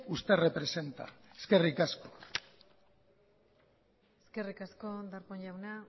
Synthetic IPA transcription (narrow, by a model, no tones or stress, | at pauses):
ust̪erepɾe̞se̞nt̪a̰eske̞rikasko̞̥ | eske̞rikasko̞d̪aɾkoɲʎawna